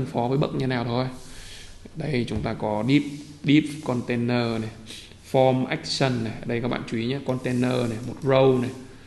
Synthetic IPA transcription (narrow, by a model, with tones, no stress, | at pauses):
ə˧nfɔ˨˦vəː˨˦jɓə˦˥t̚ɲaː˧˩naː˨˩wt̪ʰo˧j | ɗə˧jt͡ɕʊ˨˦ŋ͡mt̪aː˧kɔ˨˦ɗi˦˥p̚ | ɗi˦˥p̚kɔ˧nt̪e˧nːəː˧˩ne˨˩ | fɔ˧mʔɛ˦˥k̚sə˧˩nːa˨˩˨ɗə˧jkaː˦k̚ɓa̰ː˧˨t͡ɕwi˨˦ɲəː˨˦kɔ˧nt̪e˧nːəː˧˩ne˨˩mo˨˩t̚zə˧wne˨˩